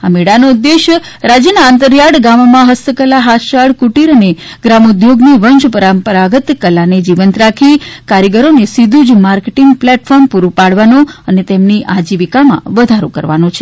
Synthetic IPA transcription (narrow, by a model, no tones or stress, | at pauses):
ameɽanoud̪ːeʃ | ɾad͡ʒjənaːnt̪əɾjaɽɡammãɦəst̪əkəlaɦaʃaɭkuʈiɾəneɡɾamud̪joɡniʋənʃpəɾampəɾaɡət̪kəlːaned͡ʒiʋənt̪ɾakʰikaɾjəɡəɾonesid̪ʱud͡ʒmaɾkeʈiŋɡplɛʈfʰɔɾmpuɾupaɽʋanoənet̪emniʔad͡ʒiʋikamã̰ʋəd̪ʱaɾo̰kə̰ɾʋa̰not͡ʃʰe̥